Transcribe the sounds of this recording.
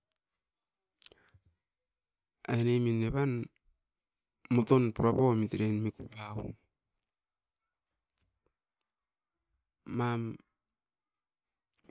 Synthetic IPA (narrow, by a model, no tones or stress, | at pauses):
a̰eneminːeβan | mutonpuɾapomitiɾenmikupau | am